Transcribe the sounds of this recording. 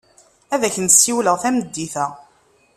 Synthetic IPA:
æðæçənsːiwləʁθæməd̪ːiθæ

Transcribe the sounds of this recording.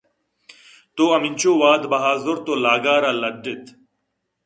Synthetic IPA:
t̪oːɐmɪnʲt͡ʃoːʋaːd̪bɐɦaːzoɾt̪oːlaːɡaːɾaːlɐɖːet̪ʰ

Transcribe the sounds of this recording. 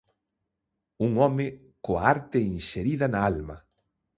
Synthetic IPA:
uŋɔmɪ | koaaɾt̪ɪinʃeɾiðɐnaalmɐ

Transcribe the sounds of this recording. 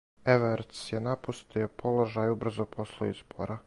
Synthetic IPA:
eʋeɾt̪sjenapust̪iopʰo̞lo̞ʒajubr̩zopʰoslˠoḭzbo̰ɾʔa

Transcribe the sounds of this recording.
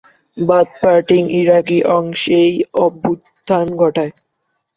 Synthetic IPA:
bad̪̚paɾʈiŋiɾakiʔɔŋʃejɔbːut̪ | d̪ʱanɡʱɔʈae

